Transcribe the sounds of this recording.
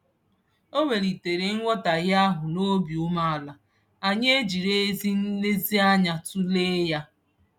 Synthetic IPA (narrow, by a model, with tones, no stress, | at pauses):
o˦we˨ɾi˨te˨ɾe˨ŋ̩˦ŋʷɔ˦ta˨ɣa˦ɦʊ˨no˦bjʊ˦ma˦a˨la˨ | a˨ɲe˦e˦d͡ʒi˨ɾe˦e˦zi˦n̩˦le˦zi˦a˦ɲa˨tu˦le˦ja˦